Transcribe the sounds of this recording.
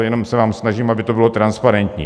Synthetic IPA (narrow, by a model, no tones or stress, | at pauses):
jɛno̞msɛvaːmsnaʒiːmʔabɪt̪obɪlo̞t̪ɾanspaɾɛnt̪ɲḭː